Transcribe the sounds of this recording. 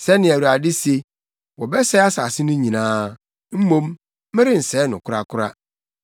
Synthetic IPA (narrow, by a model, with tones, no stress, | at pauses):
sɛ˦nɪ̃˨æ˨wu˨ɾa˨dɪ˦se˦ | wɔ˨bɛ˦sɛ˦a˦sa˨sɪ˦nʊ̃˦ɲĩ˨nãː˦ | m̩˦mõ˦mː | ɪ̃˦ɾɪ̃˦n̩˨sɛː˦nʊ̃˨kʰʊ˦ɾa˦kʰʊ˦ɾa˦